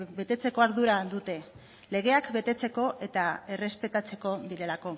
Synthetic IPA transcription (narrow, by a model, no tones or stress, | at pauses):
be̞t̪e̞t͡se̞ko̞aɾðuɾaðut̪e̞ | le̞ɣ̞e̞akbe̞t̪e̞t͡se̞ko̞ʔe̞t̪ae̞re̞spe̞t̪at͡se̞ko̞ðiɾe̞lako̞